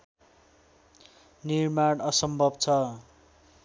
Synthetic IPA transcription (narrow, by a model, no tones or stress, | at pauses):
nirmaɽʌsʌmbʱʌbt͡sʰʌ